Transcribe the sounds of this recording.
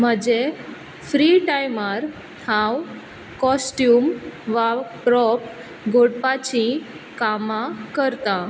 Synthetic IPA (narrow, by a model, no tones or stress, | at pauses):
m̤əd͡ʑe | fɾiʈajmaɾ | hãw | kɔsʈjuːmʋapɾɔp | ɡʱoɽpat͡ɕĩ | kamãkəɾt̪a